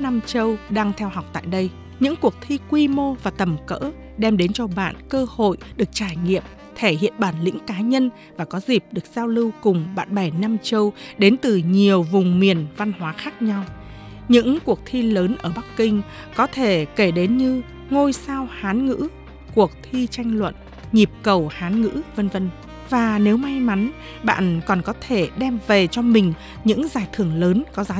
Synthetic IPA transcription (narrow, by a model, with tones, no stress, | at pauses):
na˧mt͡ɕə˧wɗaː˧ŋt̪ʰɛ˧whɦa˨˩wk͡p̚t̪a̰ː˧˨jɗə˧j | ɲɨ̰˧˥ŋku˨˩ək̚t̪ʰi˧kwi˧mo˧vaː˨˩t̪ə˨˩mkə̰ː˧˥ | ɗɛ˧mɗe˨˦nt͡ɕɔ˧ɓa̰ː˧˨nkəː˧ho̰˧˨jɗɨ˨˩ək̚t͡ɕaː˧˩jŋḭ˧˨əm | t̪ʰe˧˩hḭ˧˨ənɓaː˧˩nlḭ̈˧˥ŋkaː˨˦ɲə˧n | vaː˨˩kɔ˨˦zi˨˩p̚ɗɨ˨˩ək̚z̥aː˧wlɨ˧wkʊ˨˩ŋ͡mɓa̰ː˧˨nɓɛ˧˩na˧mt͡ɕə˧wɗe˨˦nt̪ɨ˨˩ɲi˨˩əwvʊ˨˩ŋ͡mmi˨˩ənva˧nhwaː˨˦xaː˦˥k̚ɲa˧w | ɲɨ̰˧˥ŋku˨˩ək̚t̪ʰi˧ləː˨˦nʔəː˧˩ɓa˦˥kkï˧ŋ̟ | kɔ˨˦t̪ʰe˧˩ke˧˩ɗe˨˦nɲɨ˧ | ŋo˧jsaː˧whaː˨˦nŋɨ̰˧˥ | ku˨˩ək̚t̪ʰi˧t͡ɕa˧jŋ̟lwə̰˧˨n | ɲi˨˩p̚kə˨˩whaː˨˦nŋɨ̰˧˥və˧nvə˧n | vaː˨˩ne˨˦wma˧jma˨˦n | ɓa̰ː˧˨nkɔ˨˩nkɔ˨˦t̪ʰe˧˩ɗɛ˧mve˨˩t͡ɕɔ˧mï˨˩ŋ̟ | ɲɨ̰˧˥ŋzaː˨˩jt̪ʰɨ˧˩əŋləː˨˦nkɔ˨˦zaː˨˦